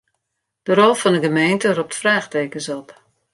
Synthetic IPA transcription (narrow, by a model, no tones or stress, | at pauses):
d̥əɾolˠfɔndəɡəmeːntərop̚tfraːxteːkənsɔp